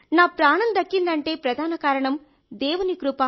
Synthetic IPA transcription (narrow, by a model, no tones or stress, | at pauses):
naːpɾaːɳɐnd̪ɐkːind̪ɐɳʈe̞ːpɾɐd̪ʱaːnɐkaːɾɐɳɐm | d̪ɛːʋunikɾupaː